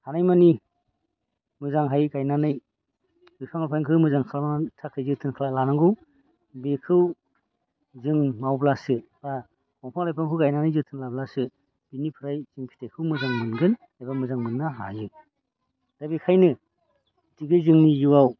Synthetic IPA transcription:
hanajmani | mɯzaŋɦajɡajnanɯj | ɡɯpʰaŋapʰajŋkʰɯwmɯzaŋkʰalamatʰakʰːɯjzɯtʰɯnkʰalalanaŋɡɯw | bekʰɯw | zɯŋmawblasɯb̥a | mɔŋpʰaŋlajpʰaŋkʰɯwɡajnanɯjzɯtʰɯnlablasɯ | b̥inipʰɯɾajzɯŋpʰi̥tʰakʰɯwmɯzaŋmɯnɡɯn | abamɯzaŋmɯnːaɦa̰jɯ | d̥abikʰajnɯ | diɡɯzɯŋnijuwaw

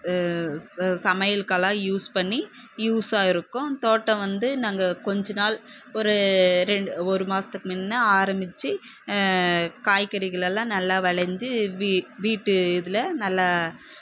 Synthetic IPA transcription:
sɐmɐjɐlkɐlãːjuːspɐɳːi | juːsaːɪɾɯkːʊ̃t̪oːʈːɐ̃ʋɐnd̪ɯnaːŋɡɐkɔɲd͡ʒɐnaːlɔɾɯɾɛɳɖɯɔɾɯmaːsɐt̪ːɯkːɯmɪnːɐaːɾɐmbɪt͡ʃːi | kaːjkːɐɾɪɣɐɭɛlãːnɐlːaːʋɐɭɐɲd͡ʒɯʋiʋiːʈːɯɪðɪlɐnɐlːa

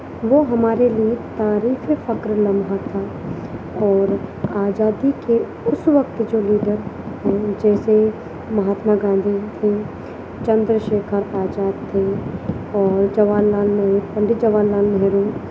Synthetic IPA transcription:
ʋoːɦəmaːɾeliet̪aːɾiːkʰefʰəkɾləmɦat̪ʰaː | ɔːɾaːd͡ʒaːd̪ike | ʊsʋəkt̪d͡ʒoːliːɖəɾ | d͡ʒɛːse | məɦaːt̪maːɡãːnd̪it̪ʰe | t͡ʃə̃nd̪ɾəʃeːkʰəɾaːd͡ʒaːd̪t̪ʰe | ɔːɾd͡ʒəʋaːlːaːlməɦɾpəɳɖɪt̪d͡ʒəʋaːlːaːlmɦeɾuː

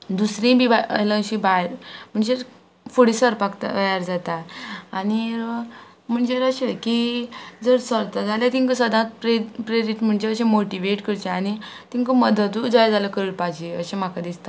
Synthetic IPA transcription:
d̪usɾĩbibaələ̃ɕĩbajɾm̤əɳd͡ʑeɾ | fuɽisəɾpakt̪a̰bajaɾd͡zat̪aaniɾ | m̤əɳd͡ʑeɾəɕekid͡zəɾsəɾt̪ad͡zaljat̪iŋkəsəd̪ʱãt̪̚pɾepɾeɾiʈm̤əɳd͡ʑeəɕẽmoʈiʋeʈkəɾt͡ɕeañi | t̪ĩŋkəməd̪ət̪ud͡zajd͡zaləkəɾəɭpad͡ʑeə̰ɕẽm̤akad̪ist̪a

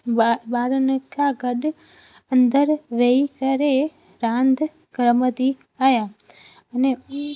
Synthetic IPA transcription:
baɾənekaɡəɗ | ənd̪əɾʋeikəɾe | ɾãnd̪ | ɡɾəməd̪i | aja | əne

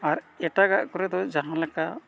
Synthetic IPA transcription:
aɾ | ɛʈaɡaʔkɔɾɛd̪ɔd͡ʒaɦãlɛka

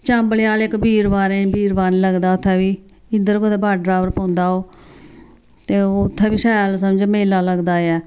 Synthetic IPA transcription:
t͡ʃəmbəljaːlekbiːɾbaːɾẽːbiːɾbaːneləɡd̪aːʊt̪ʰːɛːbiː | ɪnd̪əɾkod̪eːbaːɖɾaːbəɾpõːnd̪aːoː | t̪eːoʊt̪ʰːɛːbiːʃaːlsəmd͡ʒmeːlaːləɡd̪aːɛː

